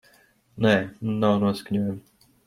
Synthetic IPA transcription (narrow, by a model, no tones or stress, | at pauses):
nɛːmunːawnuɔskɲʲuɔjam